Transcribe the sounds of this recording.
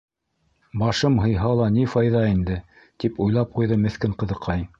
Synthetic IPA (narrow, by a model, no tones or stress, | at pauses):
bɑʃɤmɦɤ̆jɦɑlˠɑnifɑjðɑind̪ɘ | t̪ipujlˠɑp̚qujðɤmɘ̆θkɘɴqɤ̆ðɤ̆qʰɑj